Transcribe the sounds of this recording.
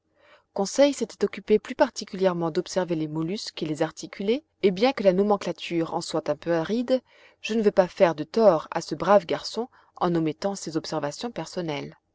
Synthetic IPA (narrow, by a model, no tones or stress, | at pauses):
kɔ̃sɛjset̪ɛ̥t̪ɔkʲypeplypaʁt̪ikʲyljɛʁmɑ̃d̪ɔpsɛʁvelemɔlyskelezaʁt̪ikʲyle | ebjɛ̃kəlanɔmɑ̃klat̪ʰyːʁɑ̰̃swat̪ɛ̃pøaʁid̪ | ʒ̥ənəvøpafɛʁd̪ət̪ɔʁa̰səbʁavɡaʁsɔ̃ | ɑ̰̃nɔmɛt̪ɑ̃sezɔpsɛʁvasjɔ̃pɛʁsɔnɛl